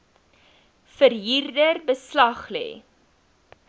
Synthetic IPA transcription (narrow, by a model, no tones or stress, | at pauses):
fərɦiːrdərbəslɐχlḛː